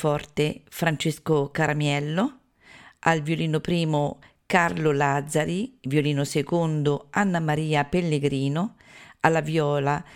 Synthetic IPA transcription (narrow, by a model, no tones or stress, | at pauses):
fɔrt̪efɾant͡ʃeskokaɾamjɛlːo | alvjoliːnopɾiːmo | karlolad̪zːaɾivjoliːnosekond̪oanːamaɾiːapelːeɡɾiːnoalːavjɔːla